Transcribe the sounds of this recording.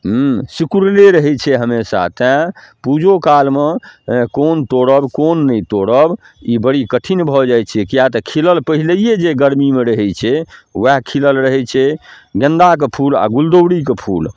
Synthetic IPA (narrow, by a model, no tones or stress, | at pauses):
ɦsikuɾleɾəɦɛt͡ʃʰɛɦəmesa̰t̪ɛ̃pud͡ʒokalmekont̪oɽəbkonːəjt̪oɽəb | ibəɽikəʈʰinbʱɔd͡ʒajt͡ʃʰɛkijat̪əkʰiləlpəɦiləijed͡ʒeɡəɾmimeɾəɦɛt͡ʃʰɛwaɦkʰiləlɾəɦɛt͡ʃʰɛɡə̃nd̪akepʰula̰ɡuld̪oɽikepʰṵl